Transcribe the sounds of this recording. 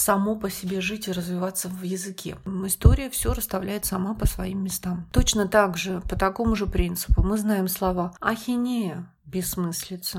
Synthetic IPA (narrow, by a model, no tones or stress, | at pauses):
sɐmopəsʲɪbʲe̞ʐɨtʲɪɾəzvʲɪvat̪sːəvjɪzɨkʲʰḛɪst̪o̞ɾʲɪjəfsʲoɾəst̪ɐvlʲæjɪt̪sɐmapəsvɐimːʲɪst̪amt̪ot͡ɕnət̪aɡʐɨpət̪ɐko̞mʊʐɨpɾʲint̪sɨ̥pʊmɨznajɪmslˠɐvaɐxʲɪnʲejə | bʲɪsːmɨsʲlʲɪt̪sə